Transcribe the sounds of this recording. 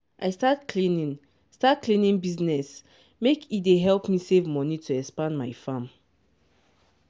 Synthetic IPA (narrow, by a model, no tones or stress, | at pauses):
ʔajstatkʰlinĩn | stat̚klĩnĩnbiznɛs | mekideɦɛlˠpmisevmɔnitʰuɛkspãnmajfãm